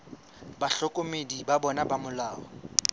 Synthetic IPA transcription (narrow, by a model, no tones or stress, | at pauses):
baɬɔkʼomedibabɔnabamʊlaːɔ